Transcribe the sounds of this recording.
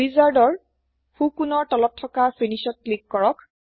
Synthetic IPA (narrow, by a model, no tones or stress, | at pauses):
izaɹdɔɹ | hukunɔɹtɔlɔtʰːɔkapʰenisɔt̚klikːɔɹɔk